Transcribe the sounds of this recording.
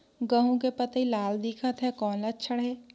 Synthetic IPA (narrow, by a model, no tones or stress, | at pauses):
ɡəɦõkepət̪ilaːld̪ɪkʰət̪ɦɛkɔːnlətt͡ʃʰəɽɦeː